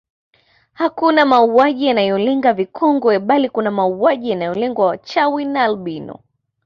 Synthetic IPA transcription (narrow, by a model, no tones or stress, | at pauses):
hakunamauaʄijanajɔlɛŋɡavikʰɔŋɡɔɛɓalikunamauaʄijanajɔlɛŋɡwaat͡ʃawinalɓinɔ̰